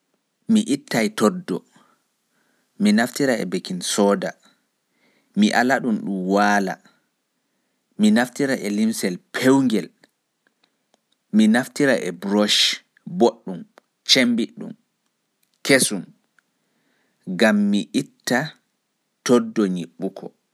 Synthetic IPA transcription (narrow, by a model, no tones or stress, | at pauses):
miʔitːajtɔdːɔ | minaftiɾaɛ̰bekinsɔːda | miʔalaɗumɗumwaːla̰ | minaftiɾaʔɛlimsɛlpʰewŋɡɛl | minaftiɾaʔɛ̰bɾɔʃ | boɗːum | t͡ʃembiɗṵm | kesum | ɡamːiʔitːa | tɔdɔɲiɓːukʰɔ